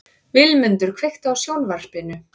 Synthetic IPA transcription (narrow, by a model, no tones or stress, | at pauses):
vɪlmʏnt̪ʏɾ̥kʰvext̪awsjownvar̥spɪnʏ